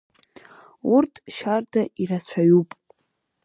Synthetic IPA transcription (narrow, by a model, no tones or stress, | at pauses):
urtʰʼʃardaʔiɾat͡ɕʷʰaɥupʼ